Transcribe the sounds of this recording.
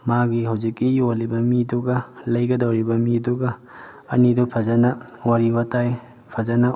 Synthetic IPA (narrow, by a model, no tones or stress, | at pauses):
maɡihɐwzikːijolibɐmiduɡɐlɐjɡɐdɐwɾibɐmiduɡɐ̰ː | nidupʰɐzɐnɐwaɾibɐtaj | pʰɐzɐnɐ